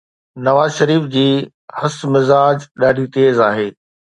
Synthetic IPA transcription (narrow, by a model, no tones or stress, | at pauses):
nɐʋaːzʃɐɾiːfd͡ʑiː | hɐsmɪzaːd͡ʑɗaːɖʱit̪eːzaːɦeː